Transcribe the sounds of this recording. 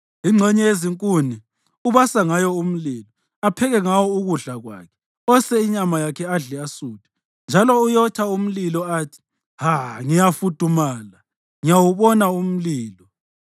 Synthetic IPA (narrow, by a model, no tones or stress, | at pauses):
iŋ͡ǀʱɛɲɛeziŋkʼuni | uβasaŋajɔum̩liːlɔ | apʰɛɣɛŋawɔuɣuɮaɣwa̰ːkʰɛ̥ | ɔsɛiɲamajakʰɛaɮɛasuːtʰʼɛ̥ | nd͡ʒʱalɔujɔt͡ʃʰaum̩lilɔaːtʰi̥ | haŋijafud̥ʱumaːla | ŋijawuβɔnaum̩liːlɔ